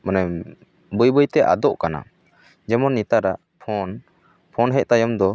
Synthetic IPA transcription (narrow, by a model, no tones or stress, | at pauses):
mana | bəjbəjt̪ɛʔa̰d̪ɔʔkana̰ | d͡ʒɛmɔnːit̪aɾaʔ | pʰɔn | pʰɔnɦɛc̚t̪ajɔmd̪ɔ